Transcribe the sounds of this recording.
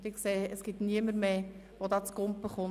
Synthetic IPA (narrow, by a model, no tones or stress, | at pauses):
dɪkseːəsɡ̥ɪtniəməɾmeː | ʋod̪ɑːt͡skʊmppəχʊ